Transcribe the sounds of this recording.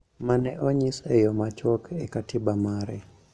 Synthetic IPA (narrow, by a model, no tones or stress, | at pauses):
manɛʔoɲisejɔmat͡ʃwɔkʰekatibamaɾɛ